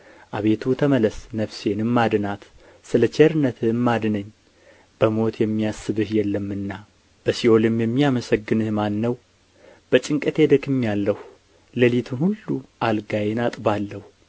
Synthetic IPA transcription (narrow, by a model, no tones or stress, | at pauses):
ʔaβe̞t̪ʰut̪ʰəmələsnəβse̞nɨmːad̪ɨnat̪ | sɨlət͡ʃeɾɨnət̪ʰɨnmad̪nəɲː | b̥əmo̞t̪ʰjɛmːijasːɨβɨhjɛlːəmːɨnːa | b̥əsio̞lɨmjɛmːijaməsəɡːɨnɨhmanːəw | b̥ət͡ʃʼɪŋkʼət̪ʰed̪əkɨmːijalːəh | ləlit̪ʰɨmhulːuʔalɡajenat̪ʼbalːəhu